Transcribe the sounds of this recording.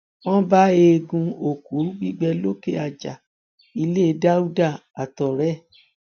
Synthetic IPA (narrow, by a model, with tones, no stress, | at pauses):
w̃ɔ̃˦ba˦e˧ɡũ˧o˨ku˨˦ɾu˦ɡ͡bi˦ɡ͡bɛ˧lo˦ke˦a˨d͡ʒa˨ | i˧le˦˧˦da˦u˦da˦˨a˨tɔ˨ɾɛ˦˨